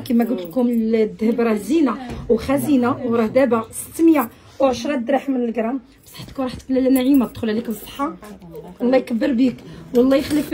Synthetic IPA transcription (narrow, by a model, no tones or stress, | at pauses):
kimæɡut̪lkumd̪əhəbɾˤɑzinawxæzinawɾˤɑhd̪æbasə̥t̪ːməja | wʕəʃɾˤɑd̪ɾɑħmənəlɡɾˤɑm | bsˤɑ̥ħt̪kuɾˤɑħt̪klælænæʕimæəd̪xʊlʕliksˤːə̥ħːɑwɑlːɑjkɑbːəɾbikwɑlˤːɑjəxləf